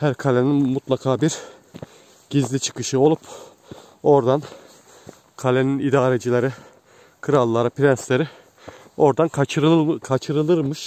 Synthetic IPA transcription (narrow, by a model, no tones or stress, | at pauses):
hæɾkʰalʲeninmut̪lˠakʰaːbiɾ | ɟ̥izlʲit͡ʃʰɯ̥kɯʃɯo̞lˠup | o̞ɾd̪an | kʰalʲeninid̪aːɾed͡ʒilʲeɾi | kʰɯɾalˠːaɾapʰɾɛnslʲeɾi | o̞ɾd̪ankʰat͡ʃʰɯɾɯkʰat͡ʃʰɯɾɯlˠɯɾmɯʃ